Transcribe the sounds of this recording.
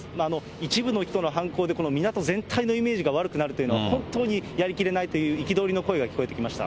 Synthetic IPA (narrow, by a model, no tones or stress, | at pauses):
maːno̞ | it͡ɕibɯ̟no̞çi̥t̪o̞no̞ɦãŋko̞ːd̪e̞ko̞no̞mʲinat̪o̞zẽ̞nt̪ʰaino̞ime̞ːʑiɡaβaɾɯ̟kɯ̟naɾɯ̟t̪ojɯ̟no̞a̰hõ̞nt̪o̞ːɲ̟ijaɾʲikʲiɾe̞nait̪o̞jɯ̟ːikʲid̪o̞ːɾʲino̞ko̞e̞ɡakʲi̥ko̞e̞t̪ekʲimaɕi̥t̪a̰